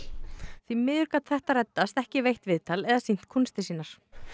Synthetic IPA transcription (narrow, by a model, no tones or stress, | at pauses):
θvimɪːðʏɾkat̪θɛht̪aɾɛt̪ːast̪ɛhcɪvejht̪vɪðt̪alɛðasin̥t̪kʰunst̪ɪsiːnaɾ̥